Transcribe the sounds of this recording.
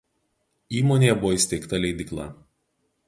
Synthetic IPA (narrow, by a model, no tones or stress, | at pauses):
iːmoːnʲejɛbʊʋɔːɪsʲt̪ʲɛɪkt̪ɐlʲɛɪd̪ʲɪklˠɑ̰ˑ